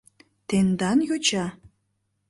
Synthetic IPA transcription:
t̪end̪ɑnjot͡ɕɑ

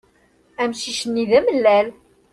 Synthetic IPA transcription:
æmʃiʃənːiðæməlːæl

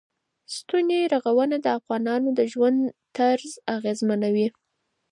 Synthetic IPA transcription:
st̪uneɾaɣawənad̪əafɣɑnɑnod̪əʒwand̪t̪aɾzaɣezmanawi

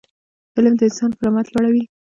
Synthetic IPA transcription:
fɪləmd̪əɪnsɑnpəɾɑmat̪lwaɽawi

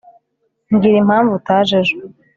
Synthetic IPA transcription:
ŋɡiɾim̥haːɱvutʰaːʒeʒe

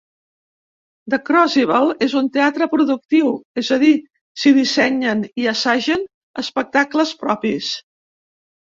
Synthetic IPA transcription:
d̪əkɾɔziβ̞əlˠezunt̪eat̪ɾəpɾuðuk̚t̪iwezəð̞i | siðisɛɲəniəsaʒən | əspək̚t̪akləspɾɔpis

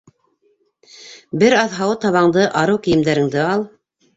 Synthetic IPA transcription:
bɘɾɑðɦɑwɤt̪ɑβɑɴd̪ɤʔɑɾɤwkɘ̆jɘ̆md̪æɾɘ̆ŋd̪ɘɑlˠ

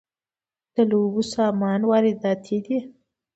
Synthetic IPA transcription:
t̪əlubusɑmɑnwɑɾid̪ɑt̪ʰid̪i

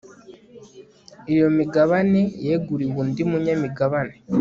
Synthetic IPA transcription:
ijo̞miɡaβanejeːɡuɾiβuːndimuɲamiɡaβane

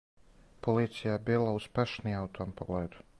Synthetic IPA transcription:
pɔlˠiːt̪sijabilˠauspʲɛʃniawt̪ʰoːmpɔɡlˠɛjd̪u̥

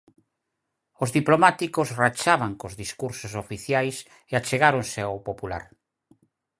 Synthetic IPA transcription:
ozðiplomat̪ikosrat͡ʃaβaŋkozðiskuɾsosofiθjajs | eat͡ʃeɣaɾonseawpopula̰ɾ

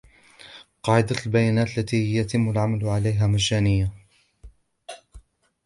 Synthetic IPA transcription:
qɑːʕɪd̪albajaːnaːt̪lːat̪iːjat̪ɪmːalʕamalʕalajɦaːmaʃaːnɪjːa

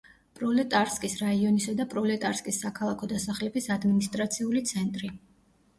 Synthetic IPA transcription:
pʼɾɔlɛt̪ʼaɾskʼisɾaiɔnisad̪apʼɾɔlɛt̪ʼaɾskʼisːakʰalˠakʰɔd̪asaχlɛbisad̪minist̪ʼɾat̪sʰiulit̪sʰɛnt̪ʼɾi

